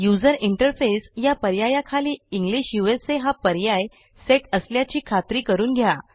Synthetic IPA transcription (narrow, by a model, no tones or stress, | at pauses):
jud͡zəɾiɳʈəɾfesjapəɾjajakʰaliːiŋɡliɕjueseɦapəɾjaj | seʈəsljat͡ɕiːkʰat̪ɾiːkəɾuːnɡʱjaa